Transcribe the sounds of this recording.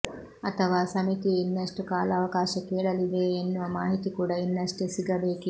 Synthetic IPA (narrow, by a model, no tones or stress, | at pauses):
ɐt̪ɐʋaːsɐmit̪iinːɐsʈkaːlɐɐʋɐkaːʃɐkeːɭɐlid̪eːnːuʋɐmaːɦit̪ikuːɽɐinːɐsʈesiɡɐbeːki